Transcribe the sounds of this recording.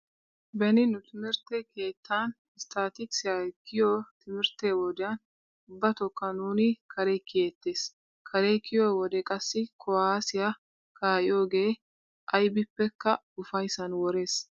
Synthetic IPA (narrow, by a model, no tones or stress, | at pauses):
bɛnɪnʊt̪ɪmɪɾt̪ːɛke̞ːt̪ːaːn | st̪ʰaːt̪ɪksɪjɐkːɪjoːt̪ʰɪmɪɾt̪ːewɔd̪ɛjɐn | ʊbːɐt̪ɔkːɐnuːnɪkʰɐɾɛkːɪeːt̪ːe̞ːs | kʰɐɾekːɪjoːwɔd̪ɛkʼɐsːɪkʰɔaːsɪjɐ | kʰaːʔɪjo̞ːɡe̞ː | ʔɐjbɪpːɛkːɐ | ʊfɐjsɐnwɔɾe̞ːs